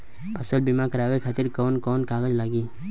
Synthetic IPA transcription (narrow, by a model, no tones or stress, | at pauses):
pʰəsəlbimakəɾaːʋekʰaːt̪ɪɾkɔːnkɔːnkaːɡəd͡ʒlaːɡiː